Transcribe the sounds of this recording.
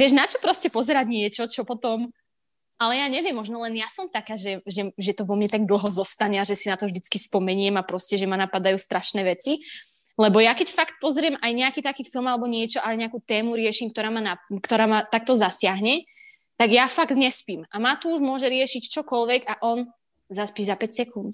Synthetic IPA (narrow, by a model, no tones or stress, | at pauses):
ʋɪɛʒnat͡ʃɔpɾɔscɛpɔzɛɾaɟɲɪɛt͡ʃɔt͡ʃɔpɔt̪ɔm | alɛjaːɲɛʋɪjɛmːɔʒnɔlɛnjasɔmt̪akaːʒɛʒɛʒɛt̪ɔʋɔmɲɛt̪aɡ̚d̪l̩ˠɦɔzɔst̪aɲɛaʒɛsinat̪ɔvʒd̪it͡skispɔmɛɲɪɛmapɾɔscɛʒɛmanapad̪ajuːst̪ɾaʃnɛːʋɛt͡si | lɛbɔjakɛcfakt̪̚pɔzɾɪɛmʔajɲɛakiːt̪akiːfilˠmalɛbɔɲɪɛt͡ʃɔʔalɛɲɛakuːt̪ɛːmuɾɪɛʃimkt̪ɔɾaːmanakt̪ɔɾaːmat̪ak̚t̪ɔzasɪaɦɲɛ | t̪aɡjafaɡt̪ɲɛspiːmʔamat̪uuʒmʊɔʒɛɾɪɛʃict͡ʃɔkɔlʋɛɡaʔɔn | zaspiːzapɛcsɛkunt̪